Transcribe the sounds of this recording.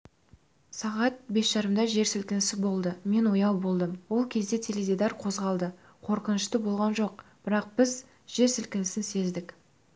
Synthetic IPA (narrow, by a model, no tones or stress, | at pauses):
sɑʁɑt̪̚be̞sʒɑɾəmd̪ɑʒe̞ɾsɪlkʲɪnɪsɪbo̞lˠd̪əme̞nwo̞jɑwbo̞lˠd̪əmwo̞lˠkʲʰezd̪e̞t̪ʰe̞led̪id̪ɑrqʰo̞zʁɑlˠd̪ə | qʰo̞ɾqənəʃt̪əbo̞lˠʁɑnʒo̞qb̥ɪɾɑq̚b̥ɪz | ʒ̥e̞ɾsɪlkʲɪnɪsɪnse̞zd̪ɪkʲ